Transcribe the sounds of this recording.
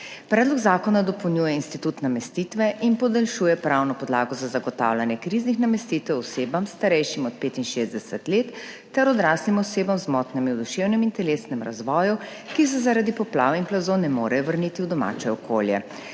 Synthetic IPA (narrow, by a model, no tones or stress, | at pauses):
pɾɛːd̪lɔɡzaːkɔnad̪ɔpɔwnʲjuːjɛinst̪it̪ut̪namɛst̪it̪ʋɛʔinpɔd̪ɛlʃuːjɛpɾawnɔpɔd̪laːɡɔzazaɡɔt̪a̰ːwlanjɛkɾiznixnamɛst̪it̪ɛwɔseːbamst̪aɾɛjʃimɔt̪̚peːt̪inʃezd̪ɛsɛt̪leːt̪ː | ɛɾɔd̪ɾaːsnimɔseːbamzmɔːt̪nɛmind̪ɔʃeːwnɛmint̪ɛleːsnɛmɾa̰zʋɔːju | kis̬ɛzaɾad̪ipɔpla̰ːʋinplazonɛmoːɾɛjɔʋəɾnit̪iuwd̪ɔma̰ːt͡ʃɛɔkʰo̰ːljɛ̰